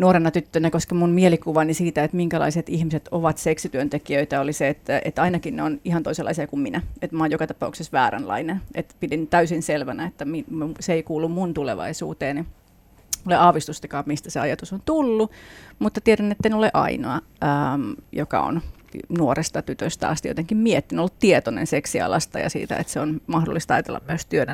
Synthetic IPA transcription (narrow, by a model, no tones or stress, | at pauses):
nuoɾenɑt̪yt̪ːønækoskɑmunmielikuʋɑnisiːt̪æet̪miŋkælɑ̰iset̪ihmiset̪oʋɑt̪seksit̪yønt̪ekiøit̪æoliseet̪ːæḛt̪ːɑinɑkinneonihɑnt̪oiselʔɑ̰isiɑkumminæet̪mɑːjokɑt̪ɑpɑ̰uksesʋæːɾæ̰nlɑ̰inenʔet̪pidint̪æysinselʋænæet̪ːæmiseeikuːlːummunt̪ulḛʋɑ̰isṵːt̪eːni | muleɑːʋist̪ust̪ɑkɑːmmist̪æseɑjɑt̪usont̪ulːumut̪ːɑt̪ieɾænːet̪ːenoleʔɑ̰inoɑəmjokɑ̰o̰n | nuorest̪ɑt̪yt̪øst̪æɑ̰st̪jo̰t̪eŋkimmiet̪ːinolːutt̪iet̪onḛnseksiɑ̰lɑst̪ɑjɑ̰sḭːt̪æ̰ḛt̪seonmɑhdo̰lːˑist̪ɑjɑt̪elːɑ̰mmyøst̪yønæ